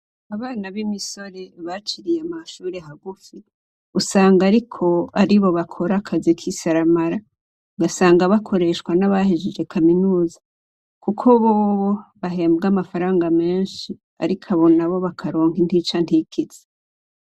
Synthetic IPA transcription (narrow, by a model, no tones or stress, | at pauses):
aβaːnaβimiso̞ɾe̞βat͡ʃiɾijamaʃuːɾeɦaɡufi | usaːŋɡaɾikʰo̞aɾiβo̞βakʰo̞ɾakʰazikʰisaɾamaɾa | ɡasaːŋɡaβakʰo̞ɾe̞ʃkwanaβahiʒid͡ʒe̞kʰaminuːza | kukʰo̞βoːβoβaɦe̞ːmbɡamafaɾaːŋɡame̞ːnʃi | a̰ɾikʰaβo̞naβo̞βakʰaɾoːŋhintit͡ʃantikiz̥e